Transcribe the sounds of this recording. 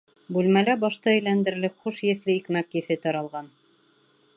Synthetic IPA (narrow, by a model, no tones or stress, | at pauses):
bʉlmælæbɑʃt̪ɑɘ̆jlænd̪ɘ̆ɾlɘχuʃjɘ̆θlɘikmækjɘ̆θɘt̪ɑɾɑlˠʁɑn